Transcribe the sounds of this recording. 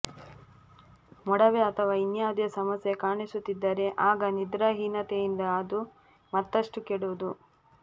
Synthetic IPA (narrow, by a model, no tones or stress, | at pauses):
mɔɽɐʋeɐt̪ʰɐʋaːinjaːd̪jɐsɐmɐsjekaːɳisut̪ːid̪ːɐɾe̞ʔaːɡɐnid̪ɾaɦiːnɐt̪ejind̪ɐːd̪u | mɐt̪ːɐʂʈukeɽuʋud̪u